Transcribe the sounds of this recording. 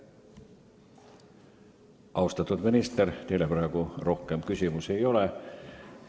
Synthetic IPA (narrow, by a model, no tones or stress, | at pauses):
ʔɑwst̪ɑt̪ːud̪minist̪ert̪e̞jlepɾæˑːkuro̞hkˑemkysʲimuse̞jo̞le